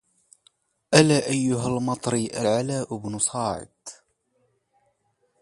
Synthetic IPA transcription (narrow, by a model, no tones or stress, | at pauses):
ʔalaːʔajːʊɦalmɑt̪ˤɾiʔalʕalaːʔʊbnʊsˤɑːʕɪ̰d̪